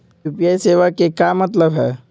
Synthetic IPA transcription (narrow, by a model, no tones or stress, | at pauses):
upijaːiseːʋakekaːmɐt̪ləbɦɛ̰ː